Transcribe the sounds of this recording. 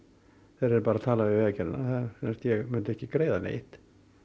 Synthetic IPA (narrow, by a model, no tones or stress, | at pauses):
θeɾɛɾpaɾat̪ʰaːlaɪvɛːcɛɾɪna̰θasɛnst̪jɛɣmʏnt̪ɛhcɪkɾeːjðanḛːjht̪